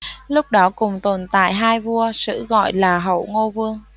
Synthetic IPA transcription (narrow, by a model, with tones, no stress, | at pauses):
lʊ˦˥k͡p̚ɗɔ˨˦kʊ˨˩ŋ͡mt̪o˨˩nt̪a̰ː˧˨jɦaː˧jvu˧əsɨ̰˧˥ɣɔ̰˧˨jlaː˨˩ɦə̰˧˩wŋo˧vɨ˧əŋ